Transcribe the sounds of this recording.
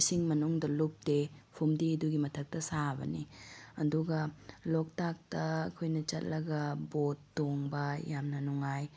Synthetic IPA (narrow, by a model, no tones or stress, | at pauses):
siŋmɐnuŋdɐlup̚tepʰumdiduɡimɐtʰɐk̚tɐsabɐ̰niɐ̰duɡɐlok̚tak̚tɐːkʰojnɐt͡ʃɐt̚lɐɡɐbotːoŋbɐjamnɐnuŋaj